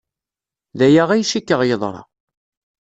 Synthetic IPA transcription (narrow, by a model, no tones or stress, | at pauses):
ðæjaʁæjʃikːəʁjəðˤɾˤɑ̰